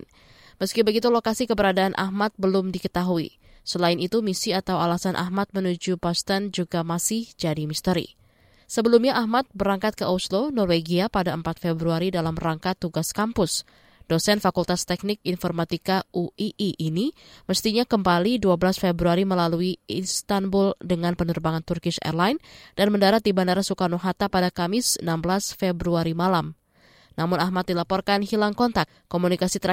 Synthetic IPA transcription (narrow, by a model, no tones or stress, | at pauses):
məskibəɡit̪ulokasikəbəɾadaʔːnʔa̰hmat̪̚bəlʊmdikət̪aɦuḭ | səlaɪnit̪umisiat̪awalasanʔa̰ɦmat̪̚mənud͡ʒupast̪ɛnd͡ʒuɡamasɪhd͡ʒadimist̪əɾḭ | səbəlumɲaʔahmat̪̚bəɾaŋkat̪̚kəʔoslonɔrweɡiapadaəmpat̪̚febɾuaɾidalamraŋkat̪ːuɡaskampʊs | d̥osɛnfakult̪ast̪ɛk̚nɪkinfɔrmat̪ikaʔuiʔiʔiniməst̪iɲakəmbaliduabəlasfebɾuaɾiməlaluiinst̪anbʊldəŋanpənərbaŋant̪urkɪsɛ̰rlajnd̥anməndaɾat̪̚dibandaɾasukanoɦat̪apadakamɪsənambəlasfebɾuaɾimalam | namʊnahmat̪̚dilapɔrkanɦilaŋkɔnt̪ak | kːomunikasit̪əɾ